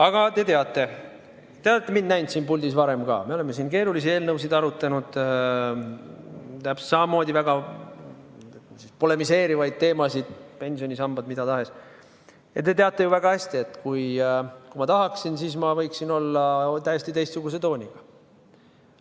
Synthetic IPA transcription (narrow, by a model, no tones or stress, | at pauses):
ɑɡ̥ɑt̪e̞t̪e̞ɑt̪ːˑe̞ | t̪eɑt̪t̪ːˑemind̪næjnt̪siːnpuld̪isvɑɾe̞mɡɑ̰ːmeo̞le̞mːe̞siːnke̞ːɾulis̬ie̞ːlnɤwsid̪ɑɾut̪ːˑɑnud̪̥ | t̪æpst̪sɑmɑmo̞ːd̪ivæɡ̥ɑ | sispo̞le̞mise̞ːɾivɑjd̪̥̚t̪e̞ːmɑsid̪̥pe̞nʲsio̞nʲisɑmb̥ɑd̪mid̪̥ɑt̪ɑɦe̞s | jɑ̰t̪ːe̞t̪e̞ɑt̪ˑːe̞juvæɡ̥ɑhæsʲt̪ie̞t̪ːˑkujkumɑt̪ɑɦɑksinsiːsmɑvɤjksino̞lːɑt̪æjest̪it̪e̞jst̪suɡ̥us̬e̞t̪o̞ːnʲiɡ̥ɑ